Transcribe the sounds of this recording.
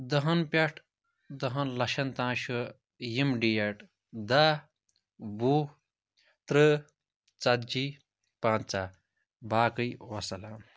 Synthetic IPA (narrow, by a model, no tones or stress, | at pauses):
d̪ɐɦɐnpʲɐʈʰ | d̪ɐɦɐnlɐʃɐnt̪ãːʃu | jimɖijeʈ | d̪a | bu | t̪ɾɨ | t͡sɐd̪̚d͡ʒi | pãːnt͡sa | baːkɨjwɐsɐlaːm